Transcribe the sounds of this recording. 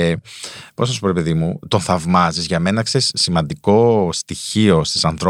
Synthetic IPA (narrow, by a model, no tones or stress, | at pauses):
po̞snɐsupo̞ɾepiðimut̪o̞nθɐvmɐzizʝɐme̞nɐksesːimɐnd̪iko̞st̪içio̞st̪i̥sɐnθɾo